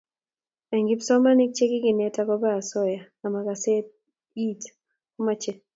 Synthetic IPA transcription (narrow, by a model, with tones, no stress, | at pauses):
ɛ˨ŋɡi˦psɔ˦ma˦ni˦k̚t͡ʃe˦kɪ˦kɪ˨nɛ˦ta˦kɔ˦baː˦˨sɔ˦ja˨ | a˨ma˨ka˨sɛ˦ | i˦t | ɔ˦ma˦t͡ʃe˦˨